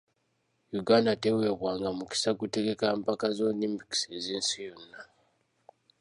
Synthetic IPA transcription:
juɡaːndatewe̞ːβwaːŋɡamuki̥sakute̞ɡe̞kaːmpakazonimbiki̥seziːnsijo̞nːa

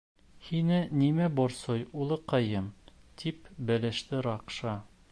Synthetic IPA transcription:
hinɘnimæboɾsojulˠɤqɑjɤmt̪ʰipbæ̆læ̆ʃt̪ɘɾɑqʃɑ

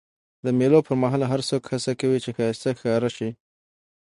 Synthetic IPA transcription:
d̪əmelopəɾmaɦɑlɦaɾsokhasakawit͡ʃexɑjst̪axkɑɾaʃi

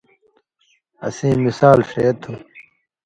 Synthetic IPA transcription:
ɐ̰sĩːmisaːlʂeːt̪ʰu

